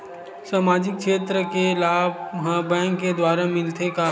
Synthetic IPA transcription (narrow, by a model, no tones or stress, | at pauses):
saːmaːd͡ʒɪk̚ʃeːt̪ɾəkelaːbɦbɛ̃ːŋkːed̪waːɾamɪlt̪eka